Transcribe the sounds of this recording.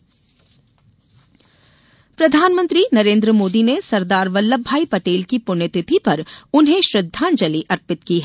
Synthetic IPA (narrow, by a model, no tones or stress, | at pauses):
pɾɐd̪ʱaːnmə̃nt̪ɾinɐɾẽːnd̪ɾəmoːd̪inesɐɾd̪aːɾʋɐlːəbʱːaːipɐʈeːlkipʊnət̪ɪt̪ʰipɐɾʊnɦẽʃɾɪd̪ʱːãːnd͡ʒɐliʔɐɾpɪt̪kiɦɛ